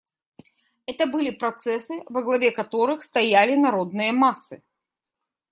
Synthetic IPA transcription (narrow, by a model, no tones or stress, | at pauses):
ɛt̪əbɨlʲɪpɾɐt̪sɛsɨvɐɡlˠɐvʲeɛkɐt̪oɾɨxst̪ɐjalʲɪnɐɾod̪nɨjəmasːɨ